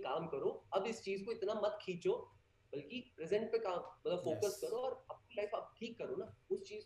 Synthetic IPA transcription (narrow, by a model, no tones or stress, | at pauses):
kaːmkɐɾoɐbɪst͡ʃiːzkoɪt̪namɐt̪kʰĩːt͡ʃoː | bɐlkipɾɛzɛ̃ɳʈ̚pekaːmmɐt̪ləbfoːkəskɐɾoɔːɾɐp̚nilaːɪfɐb̚ʈʰiːkːɐɾoːnaːʊst͡ʃiːz